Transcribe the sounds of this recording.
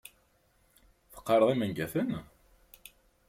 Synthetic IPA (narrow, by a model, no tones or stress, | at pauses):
θə̥qːɑɾˤəðˤimænɡæθən